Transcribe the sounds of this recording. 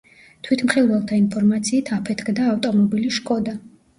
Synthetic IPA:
t̪ʰwit̪ʰmχilˠvɛlˠt̪ʰainpʰɔɾmat̪sʰiːt̪ʰapʰɛt̪ʰkʰd̪aːft̪ʼɔmɔbiliʃkʼɔd̪a

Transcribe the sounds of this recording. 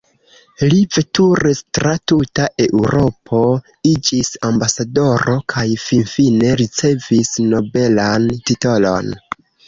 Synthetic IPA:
live̞tuɾestɾatutaʔe̞ʔuɾo̞pʰo̞ | id͡ʒisambasado̞ɾo̞kʰajfinfine̞ɾit͡se̞visno̞be̞lantito̞lo̞̰n

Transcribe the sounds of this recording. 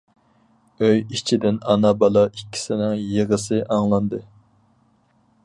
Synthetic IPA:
øjit͡ʃʰid̪ɪnɑnɑbɑlˠɑikʲːi̥sɪnɪŋjeʁəsɨʔɑŋlˠɑnd̪ɨ

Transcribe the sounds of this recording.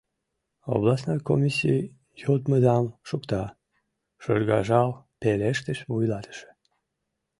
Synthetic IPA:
o̰βlɑsnɑjko̰mʲisʲij | jot̪məd̪ɑmʃukt̪ɑ | ʃo̰rɣɑ̰ʒɑlpeleʃt̪əʃvujlɑt̪ə̥ʃe̥

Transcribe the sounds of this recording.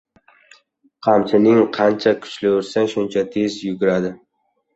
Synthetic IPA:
qʰɑmsʰɪnɪŋqʰɑnt͡ʃʰakʰʊ̥t͡ʃlɪʊɾsaʃʊnt͡ʃʰat̪ʰe̞zjʊɡʲʊɾad̪ɪ

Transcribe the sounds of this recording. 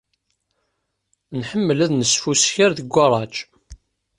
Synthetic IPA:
nħəmːəlæðnəsfusçəɾðəɡʷːɑɾˤɑt͡ʃ

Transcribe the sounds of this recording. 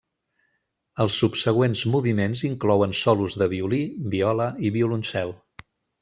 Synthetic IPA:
əlˠsːupsəɣ̞wenzmuβimenziŋklɔwənsɔluzðəβiulibiɔləiβiulunsɛlˠ

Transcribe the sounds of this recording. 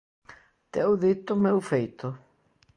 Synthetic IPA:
t̪ɛwðit̪ʊmewfejt̪ʊ

